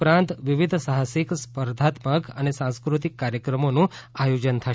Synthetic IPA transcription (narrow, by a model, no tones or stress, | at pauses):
pɾãnt̪ʋiʋid̪ʱsaɦasikspəɾd̪ʱat̪məkənesãskɾut̪̬ikːaɾjəkɾəmonũajod͡ʒənt̪ʰə